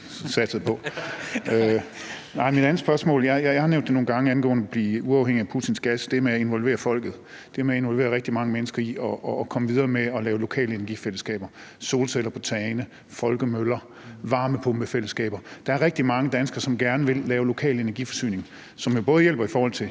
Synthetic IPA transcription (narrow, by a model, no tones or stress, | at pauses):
sæd̥sð̩ˠpʰɒ̽ | ø | nɑ̈ɪmid̥ænð̩ˠsb̥ɶɐsmɔ̰̽ːljɑjɑjɑ̈hɑ̈neʊnd̥eno̝ːn̩ɡ̥ɑ̈ŋəænɡ̥ɔ̰ːnəb̥liːuɑ̈ʊheŋ̰iæpʰut͡sʰinsɡ̥æsd̥e̝æɐmeæe̝nʋɒ̽lʋe̝̰ːɐfɒ̽l̰ɡ̥ð̩ˠ | d̥eæɐmeæe̝nʋɒ̽lʋe̝ːɐʁeɡ̥̚d̥imɑ̈ŋəmenəsɡ̥ɐiɒ̽ʔɒkʰɒ̽məʋið̞ˠɐːmeɒ̽lɛːʊlo̝kʰɛ̰ːləe̝nɐɡifeləsɡ̥ɛ̰ːb̥ɐ | so̝ːlsel̰ɐpʰɒt͡sʰɛːnə | fɒ̽lɡ̥əmølɐ | ʋɑ̈ːməpʰɔ̽mb̥əfel̰əsɡ̥ɛ̰ːb̥ɐd̥ɑ̈æɐʁeɡ̥d̥imɑ̈ŋəd̥ænəsɡ̥ɐsɒ̽mɡ̥æɐnəʋe̝lːɛːʊlo̝kʰɛ̰ːle̝næɐɡifɒ̽sy̰ːne̝ŋ | sɒ̽mjo̝b̥ɔ̽ːð̞̩ˠjel̰b̥ɐifɒːhɒl̰t͡sʰe̝